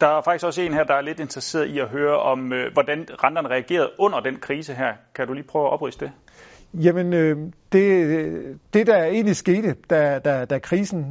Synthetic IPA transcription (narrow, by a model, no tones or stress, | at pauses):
d̥ɑ̈æɐfɑ̈ɡ̥isɡ̥ɒ̽se̝̰ːnɦæɐ̰d̥ɑ̈æɐle̝d̥e̝nd̥ʁɐse̝̰ːɐð̩ˠiæɦøːɐʔɒ̽møʋɒd̥ænʁɑ̈nd̥ɐn̩əʁɛæɡ̥e̝̰ːɐð̞̩ˠɔ̽n̰ɐd̥enkʰʁiːsəɦæɐ̰kʰæd̥uliːpʰœʊæʔɒ̽b̥ʁḭsə̥d̥e̝ | jæmənød̥e̝ | d̥e̝d̥æɐe̝̰ːnlisɡ̥e̝̰ːd̥əd̥æd̥æd̥ækʰʁiːsn̩